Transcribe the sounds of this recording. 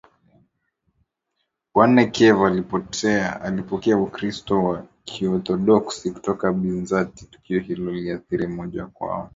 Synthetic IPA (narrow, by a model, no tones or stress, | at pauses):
wanɛkʰɛvalipɔtʰɛaalipɔkɛaukɾistɔwakʰiɔθɔɗɔksiku̥tɔkaɓinzati̥tu̥kiɔhilɔliaθiɾimɔʄakwa̰ɔ